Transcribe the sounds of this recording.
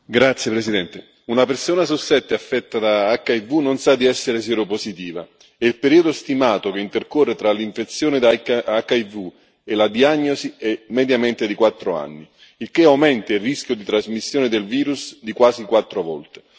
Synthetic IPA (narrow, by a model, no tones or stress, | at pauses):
ɡɾat̪sːjepɾesid̪ɛnt̪e | unapersoːnas̬usɛt̪ːeafːɛt̪ːad̪aakːaivunonsad̪ːiɛsːeɾesɛɾoposit̪iːva̰ | ɛilpeɾiːod̪ost̪imaːt̪okeint̪erkorːet̪ɾaliɱfet̪sːjoːnɪd̪akːaivu | elad̪iaɲːosiɛmɛd̪jamɛnt̪ɪd̪ikwat̪ːɾoa̰nːi | ilk̟eawmɛnt̪airisk̟jod̪it̪ɾazmisːjoːnɪd̪elviːɾusd̪ikwaːsikwat̪ːɾovɔ̰lt̪e̥